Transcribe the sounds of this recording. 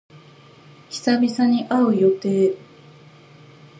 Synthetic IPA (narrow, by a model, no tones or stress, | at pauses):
çi̥sabʲisaɲ̟iʔaɯ̟jo̞t̪eː